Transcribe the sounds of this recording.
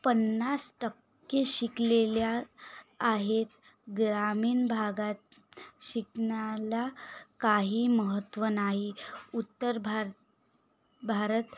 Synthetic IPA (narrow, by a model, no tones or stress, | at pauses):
pənːasʈəkː | eɕikleljaː | ɦet̪ | ɡɾamiːnbʱaɡat̪ɕiknalakaɦiːməɦət̪ʋənaɦiut̪ːəɾbʱ | bʱaɾət̪